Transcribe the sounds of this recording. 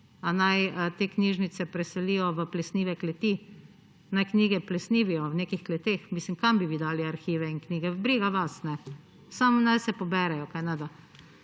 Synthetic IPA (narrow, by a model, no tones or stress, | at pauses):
anajət̪eːkniʒnit̪sɛpɾɛsɛlijɔʋəplɛsniːʋɛklɛt̪iː | najkniːɡɛplɛsniːʋijɔwneːkixklɛt̪eːxmislimkambiʋid̪aːliaɾxiːʋɛinkniːɡɛbɾiːɡaʋasnɛ | samɔnajsɛpɔbɛɾɛjɔkajnad̪a